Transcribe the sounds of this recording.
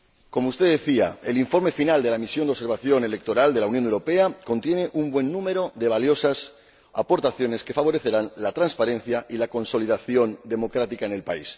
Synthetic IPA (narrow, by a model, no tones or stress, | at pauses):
ko̞moust̪e̞ðe̞θia̰eliɱfo̞ɾme̞finald̪e̞lamisjo̞nd̪eseɾβaθjo̞ne̞le̞k̚t̪o̞ɾald̪e̞launjonewɾope̞ako̞nt̪je̞ne̞ʔumbwe̞nːũme̞ɾo̞ðe̞βaljo̞sas | a̰po̞ɾt̪aθjo̞ne̞ske̞faβ̞o̞ɾe̞θe̞ɾanlat̪ɾanspaɾẽ̞nθjaʔilako̞nso̞liðaθjo̞nd̪e̞mo̞kɾat̪ikaene̞lpa̰is